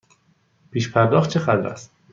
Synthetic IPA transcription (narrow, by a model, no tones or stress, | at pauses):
pʰiːʃpʰæɾd̪ɒːχt̪̚t͡ʃʰexæd̪ɾæ̰st̪